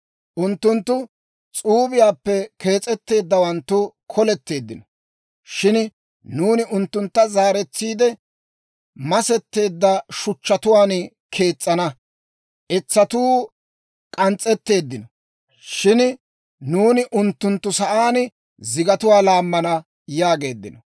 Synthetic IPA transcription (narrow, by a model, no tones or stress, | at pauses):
ʔʊnt̪ːʊnt̪ːʊ | t͡sʼuːbɪjaːpːɛke̞ːt͡sʼːɛt̪ːe̞ːd̪ːɐwɐnt̪ːʊ | kʰɔlɛt̪ːe̞ːd̪ːɪnɔ | ʃɪn | nuːnɪʔʊnt̪ːʊnt̪ːɐzaːɾɛt͡sːiːd̪ɛ | mɐsɛt̪ːe̞ːd̪ːɐʃʊt͡ʃːɐt̪ʊwaːn | kʰe̞ːt͡sʼːɐnɐ | ʔɛt͡sːɐt̪uː | kʼɐnt͡sʼːɛt̪ːe̞ːd̪ːɪnɔ | ʃɪn | nuːnɪʔʊnt̪ːʊnt̪ːʊsɐʔaːn | zɪɡɐt̪ʊwaːlaːmːɐnɐ | jaːɡe̞ːd̪ːɪnɔ